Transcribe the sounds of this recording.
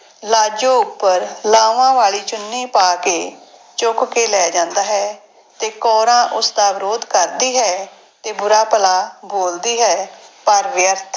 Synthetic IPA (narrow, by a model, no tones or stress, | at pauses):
laːd͡ʒõːʊɡpːəɾlaːʋãːʋaːɭiːt͡ʃʊnːiːpaːkeː | t͡ʃʊkkeːlɛːd͡ʒãːnd̪aːɦɛː | t̪eːkɔːɾãːʔʊsd̪aːʋɪɾoːd̪kəɾd̪iːɦɛː | t̪eːbʊɾaːpəlaːboːld̪iːɦɛːpəɾʋjəɾt̪ʰ